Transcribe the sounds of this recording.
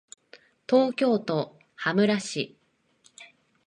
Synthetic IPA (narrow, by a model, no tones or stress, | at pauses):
t̪o̞ːkʲo̞ːt̪o̞ | hamɯ̟ɾaɕi